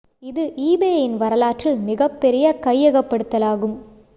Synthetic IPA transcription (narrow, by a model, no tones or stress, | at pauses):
ɪðɯʔiːbeːjɪnʋɐɾɐlaːʈrɪlmɪɣɐpːɛɾɪjɐkɐjːɛɣɐpːɐɽɯt̪ːɐlaːɣɯm